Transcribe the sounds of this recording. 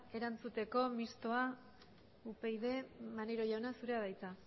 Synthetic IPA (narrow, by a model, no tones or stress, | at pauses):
e̞ɾant͡sut̪e̞ko̞mist̪o̞a | upe̞jðe̞maneɾoʎawnasuɾe̞aðajt͡s̪a